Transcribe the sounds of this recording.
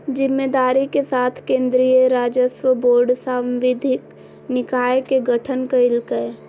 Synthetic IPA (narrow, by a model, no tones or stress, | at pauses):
d͡ʒɪmːed̪aːɾikesaːt̪ʰkẽːnd̪ɾijəɾaːd͡ʒəswəboːɾɖsãːmʋɪd̪ʱɪk | nɪkaːekeɡəʈʰənkəɪlkəe